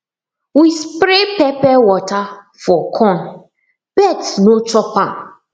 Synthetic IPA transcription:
wispɾepɛpɛwɔta | fɔkʰɔ̃n | b̥ɛtnot͡ʃɔpã

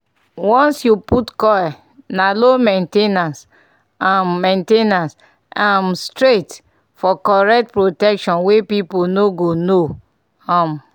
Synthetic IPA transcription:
wɔ̃nsjuputkɔɛ | nalomẽntenãs | ãmːẽntenãs | ãmstɹet | fɔkɔɹɛk̚tpɹotɛkʃɔ̃nwepiponoɡono | ãm

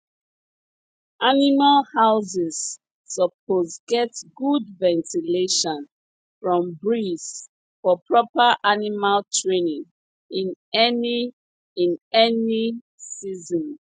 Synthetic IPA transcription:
ʔanimalhaʊzizː | əpʰozɡɛtɡudvɛ̃ntileʃɔ̃n | fɹɔ̃mbɹis | fɔpʰɹɔpəʔanimaltʰɹenĩŋ | ĩnɛni | ĩnɛni | sizɔ̃n

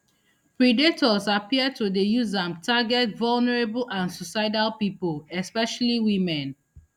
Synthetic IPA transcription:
pɹidetɔzapiəd̚tudejuzãmtʰaɡɛtvɔlˠnɛɹebl̩ʔãnsusaɪdalpipolɛspɛʃaliwimɛ̃n

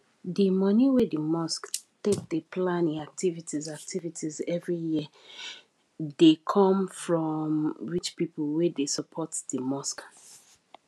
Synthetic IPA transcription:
dimʌniwedəmɔsktek̚depʰlãnĩak̚tʰivitizak̚tʰivitʰizɛvɹiji | dekʰɔ̃mfɹɔmɹit͡ʃpipəlˠwedesəpʰɔtdəmɔsk

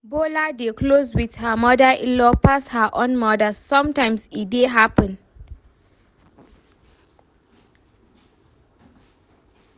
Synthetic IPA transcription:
boladekloswið̥həmɔdaʔilɔpashəʔõnmɔdəsɔ̃mtãɪ̃msideɦapə̃n

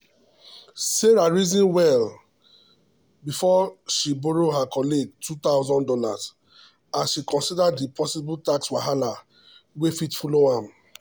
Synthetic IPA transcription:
seɹaɹizĩnwɛl | bifɔʃiboɹoɦakɔliɡ̚tʰut̪aʊzɔ̃ndɔla̰z̥ | aʃikɔ̃nsidadːipʰɔsibultakswaɦala | wefitfɔloãm

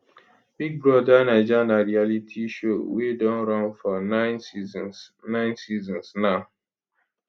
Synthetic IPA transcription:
biɡ̚bɾɔdanad͡ʒanaɾialitʰiʃowedɔ̃nɾɔ̃nfɔnaɪnsizsnãɪ̃nsizɔ̃nsnaʊ

